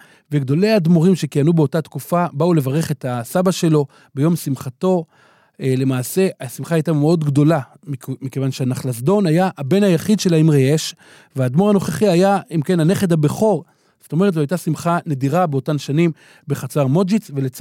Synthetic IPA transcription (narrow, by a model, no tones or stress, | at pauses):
veɡd̪o̞le̞jad̪moʁimʃe̞kijanube̞o̞tatkufabaule̞vaʁeχe̞t̪asabaʃe̞lo̞ | be̞jo̞msimχat̪o̞ | ele̞maːse̞asimχaajtameo̞d̪ɡdo̞la | mike̞vanʃeanaχlasd̪o̞najaʔːbe̞najaχid̪ʃe̞laimʁeeʃ | vead̪mo̞ʁano̞χeχiajaimke̞nane̞χed̪abeχo̞ʁ | z̥oto̞me̞ʁt̬loajt̪asimχane̞diʁabeo̞tanʃanim | be̞χat͡saʁmo̞d͡ʒit͡sve̞let͡s